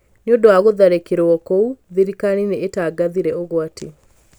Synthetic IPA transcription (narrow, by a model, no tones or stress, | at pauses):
neondowaɣoðaɾekeɾɔkouðiɾikanineːtaːɡaðiɾɛoɣwatʰe